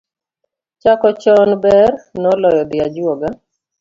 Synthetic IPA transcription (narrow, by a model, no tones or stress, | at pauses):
t͡ʃakɔt͡ʃɔnbɛrnɔlɔjɔd̪ɪad͡ʒwɔɡa